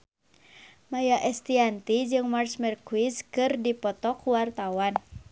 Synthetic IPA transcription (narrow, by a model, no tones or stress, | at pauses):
majaʔɛst̪iant̪id͡ʒɨŋmarsmɛrkuwiskɨrdipɔt̪ɔkuwart̪awan